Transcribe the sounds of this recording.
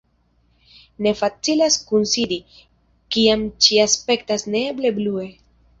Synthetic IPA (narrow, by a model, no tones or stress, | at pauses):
ne̞fat͡silaskunsidi | kiamt͡ʃiaspe̞ktasne̞ble̞blue̞